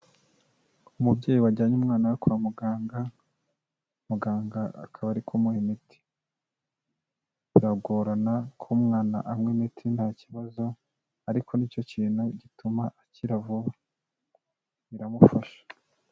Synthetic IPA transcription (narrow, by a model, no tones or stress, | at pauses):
umubɟe̞ːjiwaɟaːɲeumŋaːnawakoamuɡaːŋɡa | muɡaːŋɡa̰ːkʰaβaɾikʰomuhemitʰi̥ | βiɾaɡoɾanakʰomŋaːnaʔamŋemitʰinhaːciβazo̞ | aɾikʰo̞niːco̞ciːn̥huɟitumaʔːciɾavuβa | βiɾamufaʃḁ